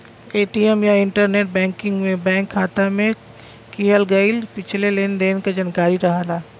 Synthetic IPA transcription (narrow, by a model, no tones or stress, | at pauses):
eːʈiɛmjaɪ̃ɳʈəɾneːʈ̚bɛ̃ːŋkɪ̃ŋɡmẽbɛ̃ːŋkʰːaːt̪amẽ | kiɦəlɡɐɪlpɪt͡ʃʰleleːnd̪eːnkad͡ʒankaːɾiɾɐɦalaː